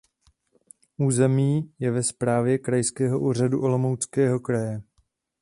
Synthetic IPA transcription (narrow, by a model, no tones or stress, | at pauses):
ʔuːzɛmiːjɛvɛspɾaːvjɛkɾajskɛːɦo̞ʔuːr̝aduʔo̞lo̞mowt͡skɛːɦo̞kɾajɛ